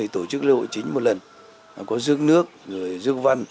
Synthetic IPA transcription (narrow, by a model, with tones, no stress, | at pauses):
ə˨˩jt̪o˧˩t͡ɕɨ˦˥k̚lḭ˧ho̰˧˨jt͡ɕï˨˦ŋ̟mo˨˩t̚lə˨˩nː˨˩ | kɔ˨˦zɨ˦˥ək̚nɨ˦˥ək̚zo˨˩əjzɨ˦ək̚va˧n